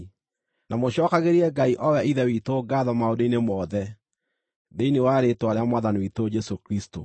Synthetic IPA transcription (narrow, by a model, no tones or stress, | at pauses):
namoɕɔkaɣeɾiɛɡaiʔɔwɛaiðɛwitoɡaðɔmaodeinemɔðɛ | deinewaɾetoaɾeamwaðaniwitod͡ʒɛsokɾisto